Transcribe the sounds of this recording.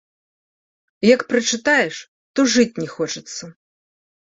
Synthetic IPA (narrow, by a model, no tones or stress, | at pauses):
jɐkpɾɐt͡ʂɨt̪ajɛʂ | t̪ɔʐɨt͡sʲnʲɛxɔt͡ʂɐt̪sːɐ